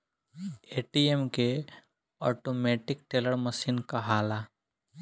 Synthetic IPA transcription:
eːʈiːemke | ɔːʈoːmɛːʈɪk̚ʈeːləɽməsiːnkaɦaːlaː

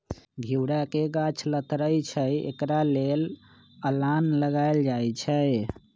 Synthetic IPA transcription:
ɡʱiwɾakeɡat͡ʃʰlət̪ɾəjt͡ʃʰəjḛkɾalel | əlanləɡajld͡ʒajt͡ʃʰəj

